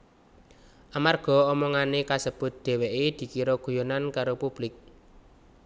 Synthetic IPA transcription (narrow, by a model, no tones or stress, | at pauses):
ʔamarɡ̥ɔ̤ɔmɔŋanekasəb̥ʊ̤t̪̚d̪̥e̤weʔed̪̥i̤kiɾoɡ̥ṳjonankaɾopub̥lɪk̚